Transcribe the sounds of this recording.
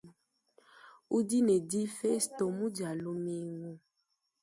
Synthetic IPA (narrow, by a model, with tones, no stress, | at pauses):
u˦di˦ne˨di˦fe˦sto˨mũ˦d͡ʒa˨lo˦me˦ŋo˦